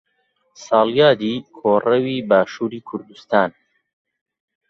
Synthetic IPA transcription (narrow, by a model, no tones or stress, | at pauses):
sɑːljaːd̪iːkʰoːrɐwiːbaːʃuːɾiːkʰʊɾd̪ust̪aːn